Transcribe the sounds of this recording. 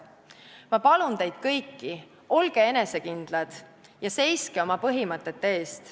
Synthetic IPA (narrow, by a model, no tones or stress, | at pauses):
mɑpɑlunt̪e̞jd̪̥kɤjkːi | ʔo̞lɡ̥e̞e̞ne̞se̞kind̪̥lɑd̪̥ | jɑse̞jske̞o̞mɑpɤɦimɤt̪ːˑe̞t̪ːe̞ːst̪